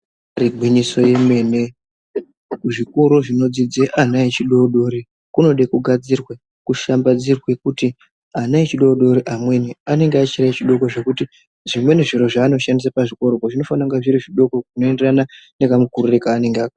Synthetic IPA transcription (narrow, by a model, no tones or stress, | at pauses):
riɡʱwiɲiso̞je̞me̞ne̞ | ʐikoɾoʐino̞d͡zid͡zeʔanaet͡ʃiɗo̞ɗo̞ːɾi | kuno̞ɗekuɡʱad͡zirwe | kuʃambad͡zirwekuti | anaet͡ʃiɗo̞ɗo̞ɾiʔamwe̞niane̞ŋɡeat͡ʃirait͡ʃiɗo̞ko̞ʐe̞kuti | ʐimwe̞neʐiɾo̞ʐaːno̞ʃandis̬apaʐiko̞ɾokoʐino̞fanaŋɡaʐiɾiʐiɗo̞ko̞kuno̞e̞nderanane̞kamukurure̞kaːne̞ŋɡeak